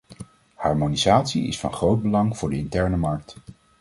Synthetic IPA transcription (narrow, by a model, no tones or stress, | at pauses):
hɑɹmonizaːtsiɪ̰sfɑ̰nχrowd̚bəlɑŋv̥ʊːɹdəɪntɛɹnəmɑɹk̚t